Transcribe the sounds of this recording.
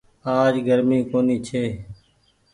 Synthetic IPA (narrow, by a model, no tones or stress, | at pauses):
aːd͡ʒɡəɾmĩːkoːniːt͡ʃʰeː